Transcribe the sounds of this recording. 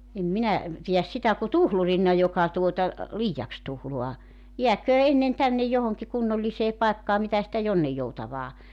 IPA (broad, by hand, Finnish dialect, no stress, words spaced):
em minæ pijæs sitæ ku tuhlurinːɑ jokɑ tuotɑ liːjɑks tuhluɑ jiækøː enːen tænːej johoŋki kunːolːiseː pɑekːɑː mitæ sitæ jonːijːoutɑʋɑː